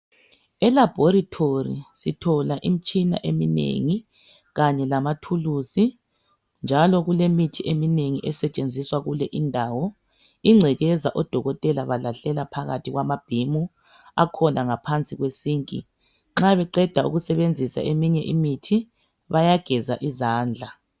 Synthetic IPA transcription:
ɛlab̥ʱoɾitʰorḭsitʰɔlaʔim̩t͡ʃʼina̰ʔeminḛŋi | ɣaɲɛlamatʰulusi | nd͡ʒʱalɔɣulemitʰiʔemineŋiʔɛsɛt͡ʃʼend͡zʱiswaɣulɛʔindʱaːwɔ | iŋ͡ǁʱɛɣɛzaʔɔd̥ʱɔɣɔtʼɛlaβalaɬɛlapʰaɣa̰tʰiɣwamab̥ʱimu | a̰kʰɔnaŋapʰant͡sʼiɣwesiːŋkʼḭ | ŋ͡ǁaβɛǃɛd̥ʱaṵɣusɛβend͡zʱisa̰ʔemiɲɛʔimitʰi | βajaɡ̥ʱɛza̰ʔizaːnd͡ɮʱa

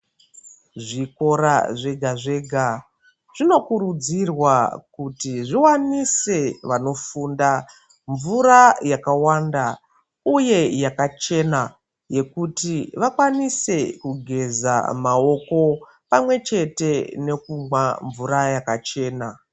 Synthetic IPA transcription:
ʐiko̞ɾa̰ʐe̞ɡʱaʐe̞ɡʱa | ʐ̥ino̞kuɾud͡zirwakutiʐiwanise̞ʋano̞funda | ɱvuɾajakawanda | uje̞jakat͡ʃe̞na | je̞kutiʋakwanise̞kuɡʱe̞za̰mao̞ko̞ | pamwe̞t͡ʃe̞te̞ne̞kumwaɱvuɾajakat͡ʃe̞ːna

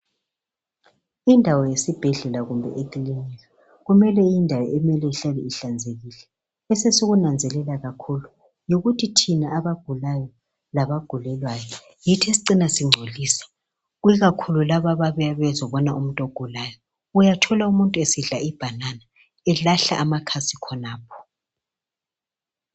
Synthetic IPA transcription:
indʱawɔjesib̥ʱɛɮɛlaɣumbʱɛ̰ʔekilinilwɛ | ɣumɛlɛjindʱajɔʔɛmɛlɛɬaliiɬand͡zʱeɣilɛ | ɛsɛsoɣunand͡zʱɛlɛlaɣakʰulu | joɣutʰitʰinaːβaɡ̥ʱulajɔ | laβaɡ̥ʱulɛlwajɔ | jitʰesiǀinasiŋ͡ǀʱoliːsḁ | ɣwiɣakʰululaβaβaβɛaβɛzɔβɔnaum̩tʼoɡ̥ʱulajɔ | ujatʰɔlaumuntʼuesiɮaib̥ʱanana | ɛlaɬa̰ʔamakʰasikʰɔnaːpʰɔ̥

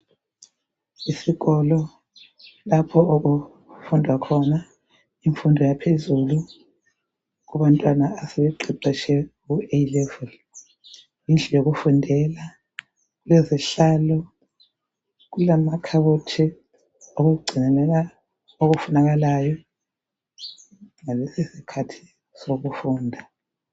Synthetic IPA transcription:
isiɣɔlɔ | lapʰɔok̬u | fundʱwakʰɔna | iɱfundʱɔjapʰezulu | k̬uβantʼwanaːsɛβɛǃʱiǀɛt͡ʃʰɛɣuelɛvɔl | jind͡ɮʱɛjoɣ̬ufundʱɛla | ɣulɛziɬaːlɔ | ɣ̬ulamakʰaβotʰi | oɣuuɡ͡ǀʱinɛlɛla | oɣufunaɣalajɔ | ŋalɛsisikʰatʰi̥ | soɣufuːndʱa

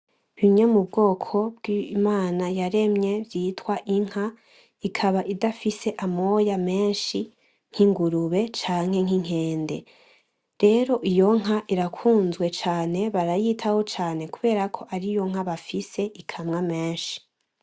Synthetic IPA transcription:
βiɲomubɡo̞ːkʰo̞bɡimaːnajaɾe̞mɲe̞bjiːtwaʔiŋ̥ha | ikʰaβaʔidafise̞ʔamo̞jame̞ːnʃi | ŋ̥hiŋɡuɾuβe̞t͡ʃaːŋ̥he̞ŋ̥iŋ̥e̞ːnde̞ | ɾe̞ɾo̞ʔijo̞ŋ̥ɦaʔiɾakʰuːnzwe̞t͡ʃaːne̞βaɾajiːtʰaho̞t͡ʃaːne̞kuβe̞ːɾakʰo̞ʔaɾijo̞ŋ̥haβafise̞ʔikʰamŋame̞ːnʃi̥

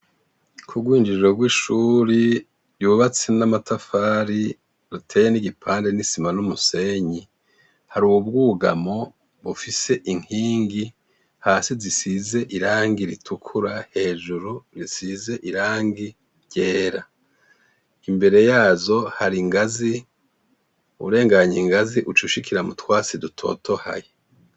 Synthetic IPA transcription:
kʰuɡwiːɲd͡ʒiɾʒo̞ɡwiːʃuːɾi | ɾjuβat͡senamatʰafaːɾi | ɾutʰejeniɟipʰaːnde̞nisimanumuse̞ɲi | haɾuːwubɡuːɡa̰mo̞ | βufise̞ʔiŋhiːŋɡi | haːsizisize̞ʔiɾaːŋɡiɾitʰukʰuɾahe̞ːʒuɾuɾisize̞ʔiɾaːŋɡi | ɾɟe̞ːɾa | imbe̞ɾe̞jaːzo̞haɾiŋɡazi | uuɾe̞ːŋɡaɲiŋɡaziʔut͡ʃuʃikʰiɾamutwaːt͡sidutʰo̞̰ːtʰo̞ha̰je

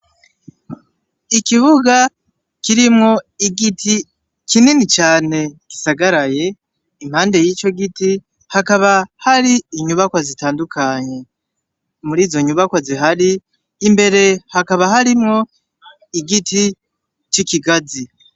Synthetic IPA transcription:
ikiβuɡa | kiɾimŋo̞iɡitʰi | kininit͡ʃaːne̞ki̥saɡaɾaje̞ | im̥haːnde̞jiːt͡ʃo̞ɡiti | hakaβahaɾiːɲuβakwazitaːndukʰaɲe̞ | muɾiːzo̞ɲuβakwaziɦaɾiː | mbe̞ɾe̞hakaβahaɾimŋo̞ | iɡiti | t͡ʃikiɡazi

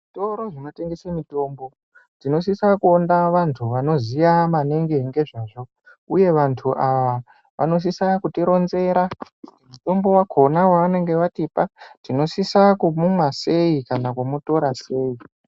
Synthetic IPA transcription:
ʐito̞ɾo̞ʐino̞te̞ŋɡesemito̞ːmbo̞ | tino̞s̬isakuondaʋantʰuʋano̞zijamaneŋɡeɦŋɡe̞ʐaʐo̞ | uje̞ʋantʰuʔaʋa | ʋʔa̰no̞s̬isakutiɾo̞nze̞ɾa | muto̞mbo̞wakʰo̞nawaʋane̞ŋɡe̞ʋatipatino̞sisakumumwase̞ikanakumuto̞ɾase̞ːi

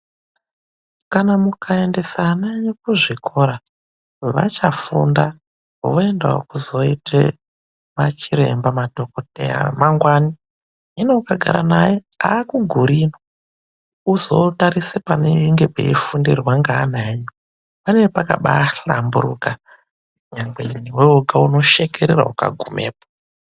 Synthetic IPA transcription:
kanamukʰae̞nde̞sanaɲekuʐikʰo̞ɾa | ʋa̰t͡ʃafunda | ʋoe̞ndao̰kuzo̞ite | mat͡ʃiɾe̞̰mbamadʱo̞kotḛja̰maŋɡwani | ino̞kaɡʱa̰ɾa̰najeaːkuɡʱuɾino | uzo̞taɾisepaneiŋɡe̞pḛifundirwaŋɡaːnaɲo | paneʋepaka̰ɓa̰ːɬambuɾuːka | ɲaŋɡweiniweoɡʱauno̞ʃe̞keɾeɾa̰uka̰ɡʱumʔḛːpo̥

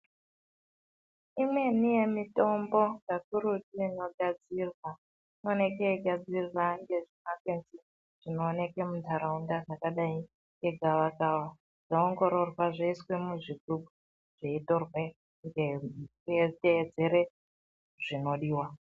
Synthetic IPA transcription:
imwe̞nije̞mito̞mbo̞ɡakuɾutiino̞ɡʱad͡zirwa | none̞keiɡʱad͡zirwaŋɡe̞ʐimakenzi | ʐ̥ino̞ːne̞kemuntaɾaundaʐakaɗai | ŋɡe̞ɡʱaʋakawa | ʐ̥ooŋɡo̞ɾo̞rwaʐeiswe̞muʐiɡubʱu | ʐ̥eito̞rwe | ŋɡekueteːd͡ze̞ɾe | ʐ̥ino̞ɗiːwa

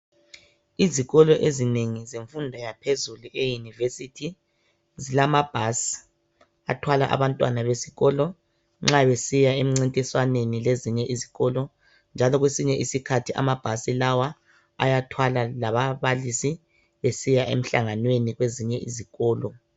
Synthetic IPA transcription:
iziɣɔlɔʔezineŋizeɱfundʱɔjapʰezuluʔejunivesitʰi | zilamab̥ʱas | a̰tʰwalaʔa̰βantʼwa̰naβesiɣɔlɔ | ŋ͡ǁaβesijaem̩ŋ͡ǀintʼiswanenileziɲɛʔiziɣɔlɔ | nd͡ʒʱalɔɣwesiɲɛʔisikʰatʰiʔa̰mab̥ʱasilawa | a̰jatʰwalalaβaβalisi | βesijaʔḛm̩ɬa̰ŋanweniɣweziɲɛʔiziɣɔːlɔ

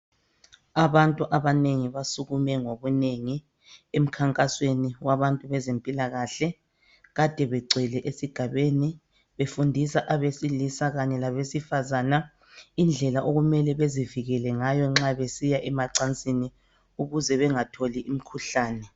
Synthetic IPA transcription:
aβantʼuʔaβaneŋiβasuɣumɛŋoβuneŋi | em̩kʰaŋkʼasweniwaβantʼuβɛzempʼilaɣaɬɛ | ɣad̥ʱɛβɛɡ͡ǀʱɛlɛʔesiɡ̥ʱaβeni | βefundʱisaʔaβesilisaɣaɲɛlaβesifazaːna | ind͡ɮʱɛlaʔoɣumɛlɛβeziviɣɛlɛŋajɔŋ͡ǁaβesijaʔɛmaǀant͡sʼini | uɣuzɛβɛŋatʰoliʔim̩kʰuɬaːnɛ

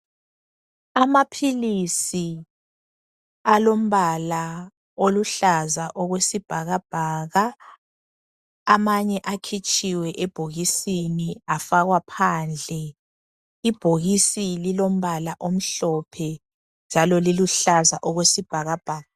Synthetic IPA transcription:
amapʰilisi | alom̩βala | oluɬazaʔɔɣwesib̥ʱaɣab̥ʱaːɣa | maɲɛʔakʰit͡ʃʼiwɛʔɛb̥ʱoɣisiniafaɣwapʰand͡ɮʱɛ | ib̥ʱoɣisililom̩βalaʔom̩ɬɔpʰɛ | nd͡ʒʱalɔliluɬazaʔɔɣwesib̥ʱaɣab̥ʱaːɣa

